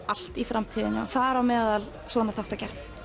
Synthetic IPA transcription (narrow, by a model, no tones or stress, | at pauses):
al̥t̪ifɾamt̪ʰiːðɪnɪa̰θaðɛɾawmɛːðal | svɔːnaθawht̪acɛɾ̥θ